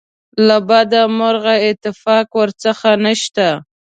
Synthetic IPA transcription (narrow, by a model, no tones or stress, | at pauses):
labad̪amʊɾɣaɪt̪ɪfɑkwəɾt͡səxanəʃt̪a